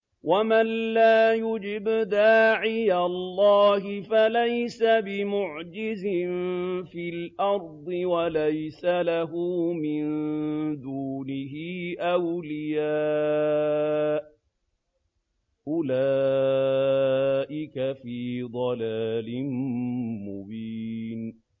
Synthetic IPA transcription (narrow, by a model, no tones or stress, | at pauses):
wʔamanlaːjʊd͡ʒɪbd̪aːʕɪjalːɑːɦɪfalajsabɪmʊʕd͡ʒɪzɪnfilʔɑɾˤd̪ˤɨwalajsalaɦuːmɪnd̪uːnɪɦɪːʔawlɪjaː | ʔʊlaː | ʔɪkafiːd̪ˤɑlaːlɪnmʊ̰biːn